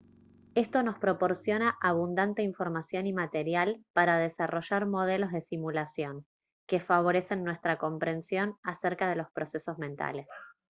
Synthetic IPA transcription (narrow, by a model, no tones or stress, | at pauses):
e̞st̪ono̞spɾo̞po̞ɾsjo̞naʔaβ̞und̪ant̪eiɱfo̞ɾmasjo̞nimat̪eɾjalpaɾað̞esaro̞ʒaɾmo̞ð̞elo̞zðesimulasjo̞ŋ | kefaβo̞ɾe̞se̞nːwe̞st̪ɾako̞mpɾe̞nsjo̞naseɾkað̞e̞lo̞spɾo̞se̞so̞zmẽnt̪a̰le̞s